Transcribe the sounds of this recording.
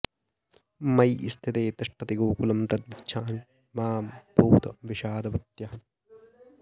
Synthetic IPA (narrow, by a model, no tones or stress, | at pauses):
mɐjḭst̪ʰit̪eːt̪ɐʂʈɐt̪iɡoːkulɐmt̪ɐɾd̪itːʃʰaːn | maːmbʱuːt̪ɐʋiʃaːd̪ɐʋɐt̪jɐɦɐ